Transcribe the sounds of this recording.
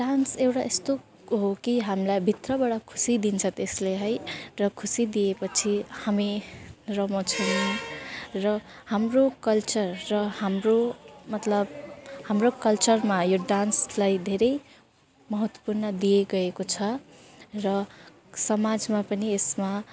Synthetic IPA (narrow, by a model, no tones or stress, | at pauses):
ɖansewʈaʔest̪o | ɦokiɦamlajbʱit̪rʌbʌɽʌkʰu̥sid̪int͡sʰʌt̪esleɦʌjrʌkʰusid̪ijepʌt͡sʰihamirʌmõt͡sʰʌʌrʌ | hamrokʌlt͡sʌrːʌhamromʌt̪lʌbhamrokʌlt͡sʌrmajoɖanslajd̪ʱeɾʌj | mʌɦʌt̪wʌ̥purnʌd̪ijeɡʌekot͡sʰʌ | rʌ | sʌmad͡zmapʌniesma